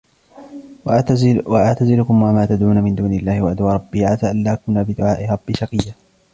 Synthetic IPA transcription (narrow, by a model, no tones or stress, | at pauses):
waʔaʕt̪azɪlʊkʊmwamaːt̪ad̪ʕuːnamɪnd̪uːnɪlːaːhɪwaʔad̪waːɾˤɑbːiːʕat̪aːʔalːaːkʊnaːbɪd̪ʊʕaːʔɪɾˤɑb̥ːiʃɑqijːa